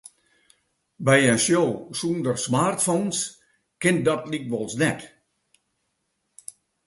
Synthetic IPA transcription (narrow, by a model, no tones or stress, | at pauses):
bɛjənsjowsuːndərsmaːrtfoːns | kɪnt̚dɔtlik̚ʋɔlˠsnɛt